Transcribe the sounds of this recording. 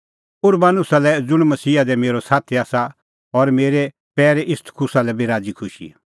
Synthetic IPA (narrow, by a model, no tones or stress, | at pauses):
ʊɾbanʊsalɛd͡zʊɽ̃mɐsiːad̪ɛmeːɾosaːt̪ʰiaːsa | ɔɾmeːɾe | pɛːɾeʔɪst̪ʰkʰʊsalɛbeɾaːd͡zikʰʊʃḭ